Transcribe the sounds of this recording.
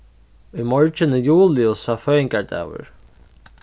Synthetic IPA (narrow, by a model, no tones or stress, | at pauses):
ujmɔɹt͡ʃɪnɪjuːlɪʊsaːfœːɪŋkaɹd̪a̰ːwə̰ɹ